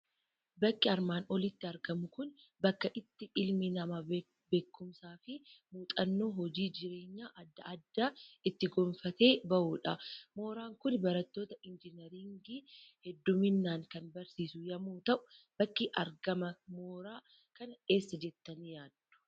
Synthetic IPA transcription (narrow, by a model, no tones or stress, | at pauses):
bɐkːɪɐɾmaːnʔɔlɪt̪ːɪɐɾɡɐmʊkʊn | bɐkːɐʔɪt̪ːɪʔɪlmɪnɐma | be̞ːkːʊmsaːfɪmuːt̪ʼɐnːo̞ːɦɔd͡ʒiːd͡ʒɪɾe̞ːɲːaːʔɐd̪ːɐʔːd̪ːaɪt̪ːɪɡɔːnfɐt̪e̞ːbɐʔuːᶑɐmo̞ːɾaːŋkʊnbɐɾɐt̪ːo̞ːt̪ɐʔɪnd͡ʒɪnɛɾɪŋɡihɛd̪ːʊmɪnːaːŋkɐnbɐɾsiːsʊjɐmuːt̪ɐʔʊ̥bɐkːɪʔɐɾɡɐmɐmoːɾaː | kɐnɐe̞ːsːɐd͡ʒɛt̪ːɐnijaːd̪̥ːʊ̥